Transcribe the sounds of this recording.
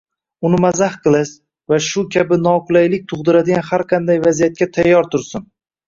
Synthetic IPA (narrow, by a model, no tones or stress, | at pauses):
ʊnɪmazahqʰɨlˠas | vaʃʊkʲʰabɪnɒqʊlˠajlɪk̚ʲt̪ʰʊʁd̪ɪɾad̪ɪɡʲanhaɾqʰɑnd̪ajvazijat̪̚kʲat̪ʰajːɒɾt̪ʰʊɾsɪn